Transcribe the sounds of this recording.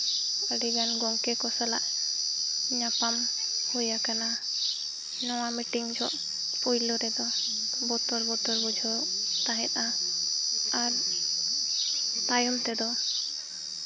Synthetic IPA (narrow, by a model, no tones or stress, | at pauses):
əɖiɡanɡɔŋkɛkɔsala̰ʔ | ɲapamhujakana | nɔwamiʈiŋd͡ʒɔʔ | pujlɔɾɛd̪ɔ | bɔt̪ɔɾbɔt̪ɔɾbud͡ʒʱawt̪aɦɛt̪̚ʔa | aɾ | t̪ajɔmt̪ɛd̪ɔ